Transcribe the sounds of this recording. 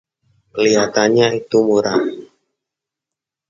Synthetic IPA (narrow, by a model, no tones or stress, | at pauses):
əliɦat̪anɲait̪umuɾaŋ